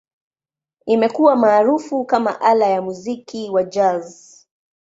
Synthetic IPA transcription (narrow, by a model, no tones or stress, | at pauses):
imɛkuwamaːɾufukama̰ʔalajamuzikiwad͡ʒaz